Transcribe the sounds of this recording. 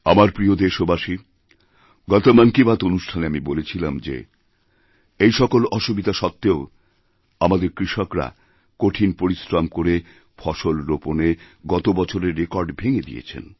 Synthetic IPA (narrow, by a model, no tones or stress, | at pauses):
amaɾpɾiod̪eʃobaʃi | ɡɔt̪omankibat̪onuʃʈʰaneamibolet͡ɕʰilamd͡ʑḛ | ejʃɔkolɔʃubid̪aʃɔt̪ːeo | amad̪eɾkɾiʃokɾa̰ | koʈʰinpoɾisɾamkoɾe | fʰɔʃolɾoponeɡɔt̪obɔt͡ɕʰoɾeɾːekɔɾɖbʱeŋed̪ḭḛt͡ɕʰḛn